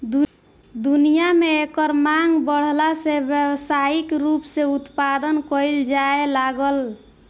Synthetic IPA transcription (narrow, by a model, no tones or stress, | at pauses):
d̪u | d̪unijameekəɾmaŋɡbəɽ̤lasebjəwsaikɾupseut̪pad̪ənkəjld͡ʒaelaɡəl